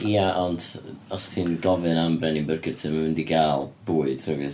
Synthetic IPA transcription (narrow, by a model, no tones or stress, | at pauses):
iaʔɔndɔstʰiːnɡɔvɨnambrɛnimbərɡɨrtʰɨnmamɪndiɡaːlˠb̥uːɨd̥rəvɨθ